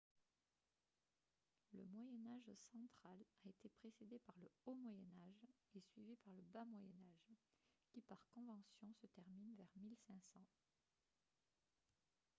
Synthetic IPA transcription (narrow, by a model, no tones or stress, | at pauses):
lə̰mwajɛnaʒsɑ̃t̪χalaet̪epχesed̪epaʁləomwajɛnaʒesɥivipaʁləbamwajɛnaʒkʲipaʁkɔ̃vɑ̃sjɔ̃sət̪ɛʁminvɛʁmilsɛ̃sɑ̃